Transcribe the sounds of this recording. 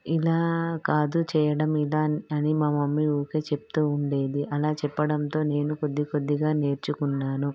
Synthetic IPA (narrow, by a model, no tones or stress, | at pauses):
ilaːkaːd̪ut͡ʃɛːjɐɽɐmilaːɐnimaːmɐmːioːke̞ːt͡ʃep̚t̪uːuɳɖe̞ːd̪iʔɐlaːt͡ʃɛpːɐɽɐnt̪o̞ːne̞ːnuko̞d̪ːikod̪ːiɡaːne̞ːɾt͡ʃukunːaːnu